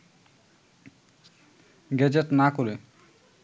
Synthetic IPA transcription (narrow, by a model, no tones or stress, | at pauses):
ɡɛd͡ʑeʈnakoɾe